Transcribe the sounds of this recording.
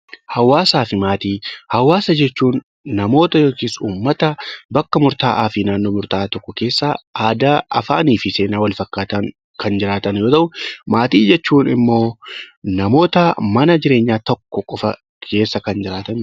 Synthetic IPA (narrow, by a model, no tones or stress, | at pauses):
hɐwːaːsaːfɪmaːt̪iːhɐwːaːsɐd͡ʒɛt͡ʃːuːnː | ɐmo̞ːt̪ɐjoːk̪isuːmːɐt̪ɐbɐkːɐmʊɾt̪a̰ːʔaːfɪnaːnːo̞ːmʊɾt̪aːt̪ɔkːɔke̞ːsːaːʔaːd̪ɐɐ̰fa̰ːniːfɪse̞ːnaːwɐlfɐkːaːt̪ɐŋ | kɐnd͡ʒɪɾaːt̪ɐnjoːt̪ɐʔʊmaːt̪iːd͡ʒɛt͡ʃːuːnɪ̰mːo̞ːnɐmo̞ːt̪ɐmɐnɐd͡ʒɪɾe̞ːɲːaːt̪ɔkːɔkʼɔfɐ | kʰe̞ːsːɐkɐnd͡ʒɪɾaːt̪ɐn